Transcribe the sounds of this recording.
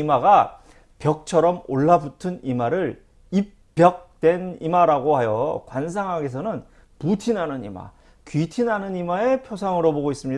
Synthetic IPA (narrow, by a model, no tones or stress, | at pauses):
imaɡa | pjʌk̚t͡ɕʰʌɾʌmoɭːabutʰɯnimaɾɯɾ | ip͈ːjʌk̚t͈we̞nimaɾaɡohajʌkwansʰaŋɦaɡe̞s̬ʰʌnɯn | putʰinɦanɯnḭma̰ | kɥitʰinɦanɯnimae̞pʰjosʰaŋɯɾoboɡois͈ɯmɲi